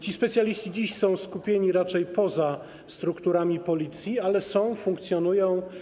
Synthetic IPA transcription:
t͡ɕispɛt̪sʲjalʲiɕt͡ɕid͡ʑiɕsɔ̃w̃skupʲjeɲiɾat͡ʂɛjpɔza | st̪ɾukt̪uɾamʲipɔlʲit̪sʲjialɛsɔ̃w̃fuŋkt̪sʲjɔnujɔ̃w̃

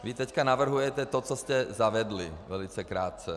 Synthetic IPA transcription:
ʋit̪ɛckanaʋr̩ɦujɛtɛt̪ɔt͡sɔscɛzaʋɛd̪liʋɛlit͡sɛkɾaːt̪̚t͡sɛ

